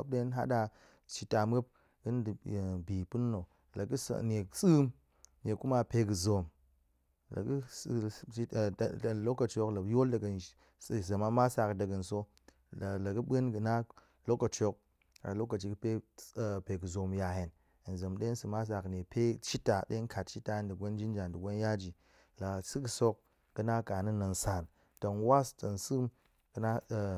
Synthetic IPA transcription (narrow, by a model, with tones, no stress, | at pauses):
o̰˦p̚de˦nɦa̰˦ɗa˧ | t͡ʃi˧ta˨mə˦p̚ | ɡɨ˦n˦dbi˨pu˦nː˦o˨ | la˨ɡɨ˦sne˨sɨ˦m | ne˨ku˦ma˦pe˧ɡɨ˨zo˨m | la̰˨ɡɨ˦s | lo˦kːa˨t͡ʃo˨kla˨˦jo˦lda˨ɡə˨n˦ | sza˨ma˦ma˦sa˨kda˨ɡɨ˨nso˦˨ | la˨ɡɨ˦ɓə˦nɡɨ˨na˦ | lo˦kːɐ˨t͡ʃo˧k̚ | a̰˨lo˦kːɐ˨t͡ʃi˨kɨ˦pe˦˨pe˨kɨ˨zo˨mja˨je˨n˨ | n˨zɐ˨mɗe˦sɨ˨ma˦s̬a˨kne˨pe˦t͡ʃi˦ta˨ɗḛ˦ŋ˦kʰa˨t̚t͡ʃi˦ta˨˦ndɨ˨ɡʷo˦n˦d͡ʒi˦n˦d͡ʒa˨ndu˨ɡʷo˦n˦ja˦d͡ʒi˨ | la˨sɨ˦kɨ˨so˦k̚ | ɡ̥ɨ˦na˦ka˨ni˦nɐ˨n̩˨sa˨n | tɐ˨nwa˦stɐ˨n˨sɨ˦m | kɨ˨na˦˨